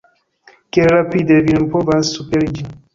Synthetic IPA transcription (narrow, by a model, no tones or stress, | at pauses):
keɾɾapid̪evinmpovansupɛɾd͡ʒi